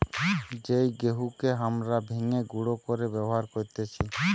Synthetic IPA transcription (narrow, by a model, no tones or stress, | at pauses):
d͡ʒejɡeɦukeɦamɾabʱiŋeɡuɽokɔɾebɛboɦaɾkɔɾt̪et͡ʃʰi